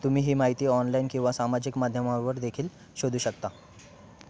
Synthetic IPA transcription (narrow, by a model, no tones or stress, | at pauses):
t̪um̤iːɦiːmaɦit̪iːɔnlainkĩw̃ʋasamad͡ʑikmad̪ʱjəmaʋəɾd̪ekʰiːl | ɕod̪ʱuːɕəkt̪a